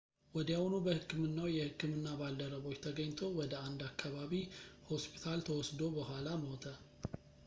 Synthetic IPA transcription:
wɔd̪jawunubəhɨkːɨmɨnːawjɛhɨkːɨmɨnːabald̪əɾəβo̞t͡ʃːt̪ʰəɡəɲːt̪ʰo̞wɔd̪əand̪akʰːaβaβiho̞spʰi̥t̪ʰalt̪ʰəwɔsd̪o̞bəhʷalamot̪ʰə

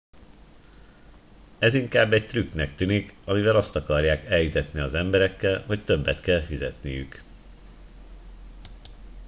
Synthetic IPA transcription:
ɛziŋkaːbːɛc̚t̪ryknɛk̚t̪ynikɒmivɛlɒst̪ɒkɒrjaːkɛljit̪ɛt̪niɒzɛmbɛɾɛkːɛlho̞ct̪ø̞bːɛt̪kɛlfizɛ̰t̪nḭjy̰k

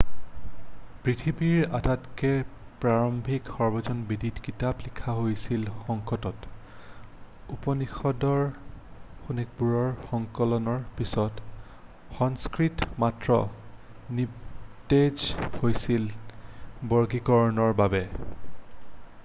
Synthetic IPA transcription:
pɹitʰibiɹadatkɛ | pɹaɹɔmbʱikxɔɹbɔzɔnbiditkitaplikʰaɦojsilxɔŋkɔtɔt | upɔnixɔdɔɹ | xunɛk̚buɹɔɹxɔŋkɔlɔnɔɹpisɔt | xɔŋskɹitmatɹɔ̰ | nited͡ʒhojsil | bɔɹɡikɔɹnɔɹbabɛ

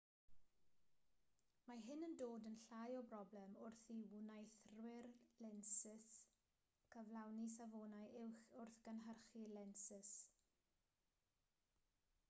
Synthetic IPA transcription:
maɦɪnəndoːdənɬajɔbrɔblɛmʊrθiwunajθrwɪrlɛnsɪs | kʰəvlˠawnis̬avoːnajʔɪwxʊrθɡ̥ənɦərχilɛnsɪs

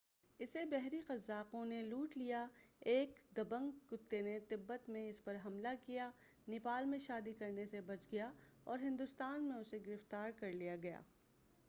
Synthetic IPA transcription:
ɪsebɛɦɾiqɐzːaːqõneluːʈlijaeːkd̪ɐbə̃ŋɡkʊt̪ːenet̪ɪbːət̪mẽɪspɐɾɦɐmlakija | nɪpaːlmẽʃaːd̪ikɐɾnesebɐt͡ʃɡɐjaɔːɾɦɪ̃nd̪ʊst̪aːnmẽʊseɡɪɾɪft̪aːɾkɐɾlijaɡɐja̰ː

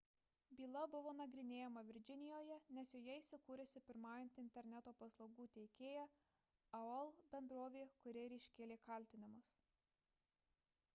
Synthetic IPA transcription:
bʲiːlˠɐbʊʋoːnɐɡɾʲɪnʲeːjɛmɐʋʲɪɾʲd͡ʒʲɪnʲɪjoːjɛnʲɛsjoːjɛiˑsʲɪkuːɾʲɛsʲɪpʲɪɾmɑːjɛnʲt̪ʲɪnʲt̪ʲɛɾʲnʲæt̪oːpɐslˠɐʊɡuːt̪ʲɛɪkʲeːjæ | ɐɛlˠbʲɛnd̪ɾoːʋʲeːkʊɾʲeɛɾʲɛɪʃʲkʲeːlʲeːkɐˑlʲt̪ʲɪnʲɪmʊs

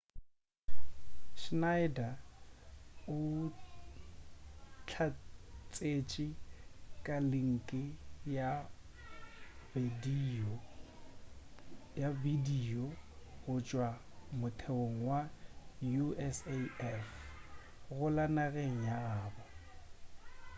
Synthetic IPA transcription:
ʃnaɪda | ʊ | t͡ɬʰat͡sʼet͡ʃʼɪkʼalɪŋ̩kʼɪja | di | javidiɔɣʊt͡ʃʼwa | mʊtʰeoŋ̩wajuɛseɛf | ɣʊlanaɣeŋ̩jaɣaːba

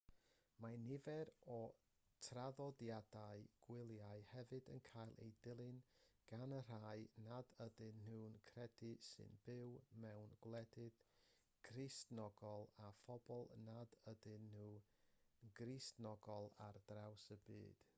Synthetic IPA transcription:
manɪvɛɾɔ | tʰraðɔdjadaɨɡ̥wɪlˠjaɨhɛvɨdə̰nkʰajlˠʔḛjdɪlˠɨnɡ̥anər̥aɨnadədɨnnuːnkʰrɛdɨsɨ̰nb̥ɪwmɛwnɡlˠɛdɨð | ɡ̥rɪstnɔɡɔlˠafɔbɔlˠnadədɨnːuː | ɡristnɔɡɔlˠa̰rdrawsəbɨ̰ːd̥

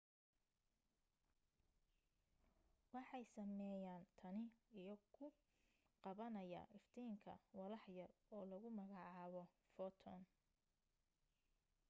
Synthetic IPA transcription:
wɑħɑjsɐmɛːjaːnt̪ʰɐnɪijɔkʰʊ | qɑβɐnɐja̰ːʔɪft̪ʰɛjŋkʰɐ̰wɐlɑħjɐrɔːlɐɣʊmɐɣɑʕɑːβɔ | fɔt̪ʰɔn

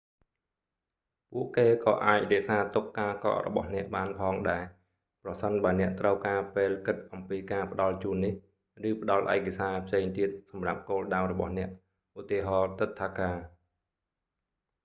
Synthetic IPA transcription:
puəʔkeːkɑːʔaːc̚rɛ̆əʔsaːt̪ukːaːkɑ̰ːʔrɔ̰ɓɑ̰hnɛ̆əʔɓaːnpʰɑːŋɗaɛ | prɑsənɓaənɛ̆əʔt̪rəwkaːpeːlkɨt̪̚ʔɑmpiːkaːpə̆ɗɑlt͡ɕuːnːih | rɨːpə̆ɗɑlʔaɛkasaːpʰseːŋt̪iət̪̚sɑmrap̚koːlɗawrɔɓɑ̰hnɛ̆əʔ | ʔut̪ːiəɦɑːt̪ɨt̪ʰːaːkaː

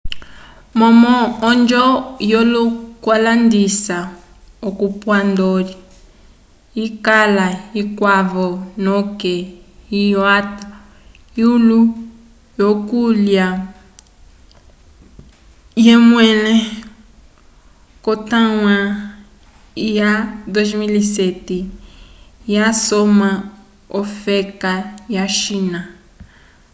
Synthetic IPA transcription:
mɔmɔːnd͡ʒɔjɔlukwalandisa | okupwandɔli | ikalaikwavɔnɔkɛijata | iulu | jokulja | jemwɛle | kot̪ãw̃ã | jad̪ozmilisɛti | jasomã | ofekajaʃina

